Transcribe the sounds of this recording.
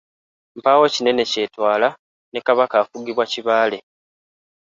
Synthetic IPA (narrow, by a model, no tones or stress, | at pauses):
m̩paːwo̞cine̞ne̞ce̞ːtwaːla | ne̞kaβakaːfuɡiβwaciβaːle̞